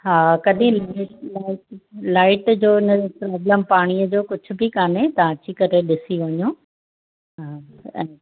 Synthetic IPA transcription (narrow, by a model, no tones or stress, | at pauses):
ɦaːkɐɗĩlaɪʈlaːɪʈlaːɪʈd͡ʑoːɪnəpɾɔːbləmpaːɽ̃iəd͡ʑoːkʊd͡ʑʱʊ̆bʱikaːnet̪ɐʋãd͡ʑikɐɾeɗɪsiʋɐɲũ | ɦaː | ɛ̰̃ː